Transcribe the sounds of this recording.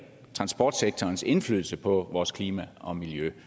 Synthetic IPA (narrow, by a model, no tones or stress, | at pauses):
t͡sʰʁɑ̈nsb̥ɒ̰ːd̥seɡ̥̚t͡sʰɒːnse̝nfly̰ːðˠl̩səpʰɒ̽ʋɒːskʰliːmæʔɒ̽miljø